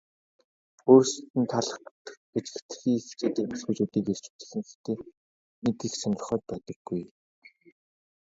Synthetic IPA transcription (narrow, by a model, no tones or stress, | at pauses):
oːrst̪ɘ̆nt̪ʰaɮ̆χt̪ | et͡ɕɡɘ̆kʰt̪̆xiːŋxʰt͡ɕeːt̪eːkmḁswujt͡ɕuːt̪iːkest͡ɕŭ̥t̪ɘ̥̆ɮɘ̆ŋxext̪ʰeː | nek̪ixsɔn̆r̆χœːt̪̚pœːt̪ɞ̆ɡːuj